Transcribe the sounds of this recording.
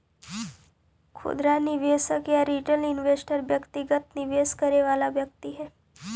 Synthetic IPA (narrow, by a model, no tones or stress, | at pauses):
kʰʊ̰d̪ɾanɪʋeːsəkjaɾiːʈəlɪnʋeːsʈəɾʋjɐkt̪ɪɡət̪nɪʋeːskɐɾeʋaːlaʋjɐk̚t̪iɦɛː